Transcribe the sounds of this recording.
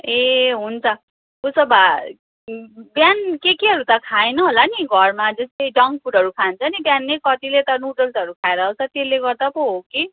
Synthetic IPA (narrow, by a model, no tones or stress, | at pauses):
eɦunt͡sʰʌ | kusʌba | bjankekeɦʌɾut̪ʌkʰajnʌɦolaniɡʱʌrmad͡zʌst̪ʌjɖʌŋpʰuɽɦʌɾukʰant͡sʰʌnibjanːekʌt̪ilet̪ʌnuʈʌlsʌɾukʰaeɾʌːwt͡sʰʌt̪eleɡʌrd̪apoɦoke